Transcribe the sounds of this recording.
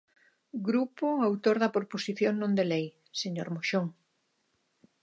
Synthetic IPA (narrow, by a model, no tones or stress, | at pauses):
ɡɾupoawt̪oɾðɐpoɾposiθjoŋnõnd̪elej | seɲoɾmoʃoŋ